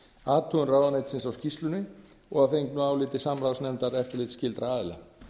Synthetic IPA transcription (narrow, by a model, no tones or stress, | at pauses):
aːt̪ʰuɣʏnraːwðanajt̪sɪnsawscist̪lʏnːɪ | ɔɣaθfejŋknuaːwlɪːt̪ɪsamɾawsnɛmt̪aɾɛft̪ɪɾlɪːt̪scɪlt̪ɾaaːðɪla̰